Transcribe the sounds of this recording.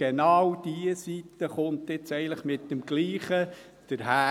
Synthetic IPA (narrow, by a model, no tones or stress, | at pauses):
enɑːwd̥iəsitːəχʊnt̪ɪt͡sɛɪənləχmɪt̚dəmɡ̥liːχə | d̥əɾɦæː